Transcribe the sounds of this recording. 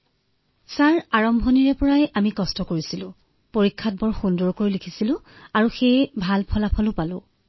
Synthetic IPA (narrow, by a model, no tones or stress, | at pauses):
saɹaɹɔmbʱɔniɹɛpɔɹajamikɔstɔkoɹisilʊ̃ | poɹikʰːat̚bɔɹxundɔɹkoɹilikʰisilʊ̃ | aɹuxejbʱalpʰɔlapʰɔlʊ̃palʊ̃